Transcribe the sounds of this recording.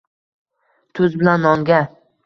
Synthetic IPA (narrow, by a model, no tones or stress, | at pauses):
t̪ʰʊzbɪlanːɒŋɡʲa